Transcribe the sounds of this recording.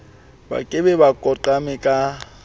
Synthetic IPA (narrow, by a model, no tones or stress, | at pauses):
ba̰kʼɪbɛbakʼɔǃamɪkʼa